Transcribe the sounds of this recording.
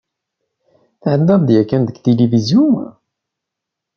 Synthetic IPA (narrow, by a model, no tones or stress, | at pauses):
θʕəd̪ːæðd̪jækːænd̪əɡt̪ilivizjun